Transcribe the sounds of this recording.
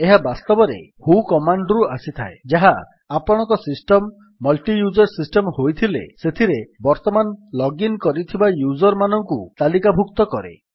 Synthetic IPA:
eɦabast̪ɔbɔɾḛhukɔmaɳɖɾuasit̪ʰa̰ed͡ʒaɦaː | pɔɽ̃ɔ̃ŋkɔsisʈɔmː | ɔlʈijud͡ʒɔɾsisʈɔmhojt̪ʰilḛset̪ʰiɾebɔɾt̪ɔmanlɔɡinkɔɾit̪ʰibajud͡ʒɔɾmanɔŋkut̪alikabʱukt̪ɔkɔɾḛ

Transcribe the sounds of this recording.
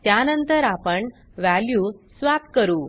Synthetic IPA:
t̪janənt̪əɾapəɳ | ʋæljuːsʋap̚kəɾuː

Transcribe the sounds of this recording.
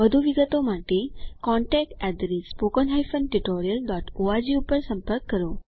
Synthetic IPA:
ʋəd̪ʱuʋiɡət̪omaʈekɔ̃ɳʈɛk̚ʈɛd̪ɾespokɔnɦajfənʈuʈoɾijəlɖɔʈoad͡ʑiupəɾsəmpəɾkːəɾo

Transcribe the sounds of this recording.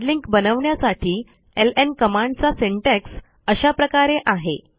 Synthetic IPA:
liŋkbənəʋɳjasaʈʰiː | elenkəmaɳɖt͡saseɳʈɛks | əɕapɾəkaɾeʔaɦe

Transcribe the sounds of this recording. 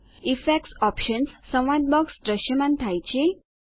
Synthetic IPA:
ifɛksɔpɕənsːə̃w̃ʋad̪̚bɔksʈɾəɕəmãnt̪ʰajt͡ɕe

